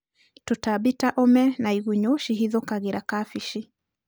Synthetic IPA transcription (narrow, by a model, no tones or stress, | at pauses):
totabitaʔɔmɛnaiɣuɲoʃiɦiðokaɣeɾakafiʃi